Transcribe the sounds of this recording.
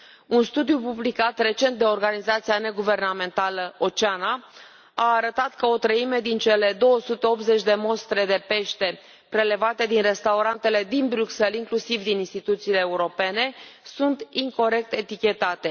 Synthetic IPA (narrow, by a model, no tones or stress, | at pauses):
unst̪ud̪jupublikat̪re̞t͡ʃe̞nt̪̚d̪e̞o̞rɡanizat̪siane̞ɡuve̞rname̞nt̪aləot͡ʃeana | aːɾət̪at̪kəo̞t̪ɾəime̞d̪int͡ʃe̞le̞d̪o̞wəsut̪e̞o̞p̪ze̞t͡ʃʲd̪e̞mo̞st̪ɾe̞d̪e̞pe̞ʃt̪e̞ | pɾe̞le̞vat̪e̞d̪inre̞st̪auɾant̪e̞le̞d̪inbɾʲukse̞liŋklusivd̪ininst̪it̪ut̪siːle̞ːuɾo̞pe̞ne̞sunt̪iŋko̞ɾe̞k̚t̪e̞t̪ikʲe̞t̪at̪e̞